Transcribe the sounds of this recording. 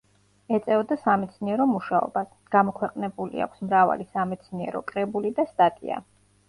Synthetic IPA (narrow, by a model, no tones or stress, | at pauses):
ɛt̪sʼɛvɔd̪asamɛt̪sʰniɛɾɔmuʃaɔ̰bas | ɡ̥amɔkʰwɛqʼnɛbulḭa̰kʷʰsmɾava̰lisamɛt̪sʰniɛ̰ɾɔkʼɾɛbulid̪ast̪ʼat̪ʼḭa̰